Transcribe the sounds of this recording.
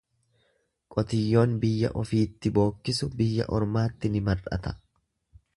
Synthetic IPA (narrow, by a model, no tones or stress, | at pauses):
kʼɔt̪ɪjːo̞ːnbɪjːɐ̰ʔɔfiːt̪ːɪbo̞ːkːɪsʊbɪjːɐ̰ʔɔɾmaːt̪ːɪnɪmɐrɐ̰t̪ɐ̥